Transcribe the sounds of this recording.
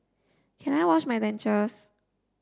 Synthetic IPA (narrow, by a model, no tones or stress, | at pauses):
kʰɛ̃najwɔt͡ʃmajdɛ̃nt͡ʃəs